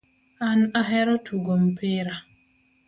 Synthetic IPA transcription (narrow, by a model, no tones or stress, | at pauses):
anaɦɛɾɔtʰuɡɔmpeɾa